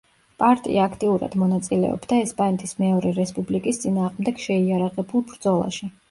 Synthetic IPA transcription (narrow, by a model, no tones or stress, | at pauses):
pʼaɾt̪ʼḭʔaːkʰt̪ʼiuɾa̰d̪̥mɔnat̪sʼilɛ̰ɔ̰bd̪aɛspʼanɛt̪ʰʼismɛɔɾɛɾɛspʼublikʼist̪sʼinaːʁmd̪ɛɡ̥ʃɛiaɾaʁɛbulˠbɾd̪zɔlˠa̰ʃi